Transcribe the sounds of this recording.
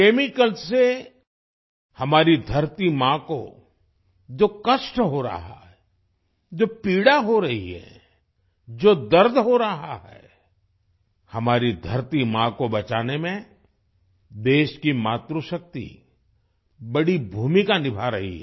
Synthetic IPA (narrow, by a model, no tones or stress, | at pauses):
keːmɪkəlse | hɐmaːɾid̪ʱɐɾt̪imãko̰ | d͡ʒoːkɐʃʈɦoɾɐ̰ɦa̰ɦɛ | d͡ʒoːpiːɽaɦoɾɐɦḭɦɛ̰ | d͡ʒoːd̪ɐɾd̪ʱɦoɾɐɦaɦɛ̰ː | hɐmaːɾid̪ʱɐɾt̪imãkobɐt͡ʃaːnemẽ | d̪eːʃkimaːt̪ɾuʃək̚t̪ḭ | bɐɽibʱuːmikanɪbʱaɾɐɦḭɦɛ̰